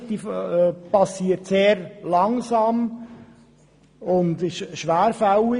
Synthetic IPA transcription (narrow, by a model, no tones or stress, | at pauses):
d̥̪iːfpɑsiːəɾtseːɾlɑŋsɑːm | ʊnd̪ɪʃʃʋæːɾfawɪ